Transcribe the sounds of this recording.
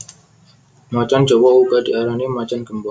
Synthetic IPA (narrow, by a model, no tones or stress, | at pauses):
mat͡ʃand͡ʒɔbɔukadiaɾanimat͡ʃankəmba